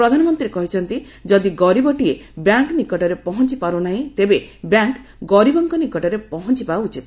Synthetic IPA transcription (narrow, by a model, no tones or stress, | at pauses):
ɾɔd̪ʱanɔmɔnt̪ɾiɾekɔɦit͡ʃʰɔnt̪i | d͡ʒɔd̪iɡɔɾibɔʈiebjaŋknikɔʈɔɾepɔɦɔnt͡ʃipaɾunaɦĩt̪ebebjaŋkɡɔɾibɔŋkɔnikɔʈɔɾepɔɦɔnt͡ʃipaut͡ʃʰit̪